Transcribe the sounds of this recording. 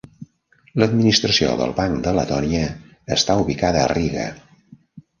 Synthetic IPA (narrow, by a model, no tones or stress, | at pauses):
ləd̪minist̪ɾəsio̰ðə̰lˠβaŋd̪ələ̰t̪ɔniəː | st̪auβikaðəːriɣə̰